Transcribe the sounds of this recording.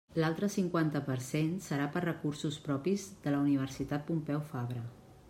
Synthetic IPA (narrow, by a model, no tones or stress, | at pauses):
lalˠt̪ɾəsiŋkwant̪əpəɾsensəɾapərrəkuɾsuspɾɔpizðələuniβ̞əɾsit̪at̪̚pumpɛwfaβɾə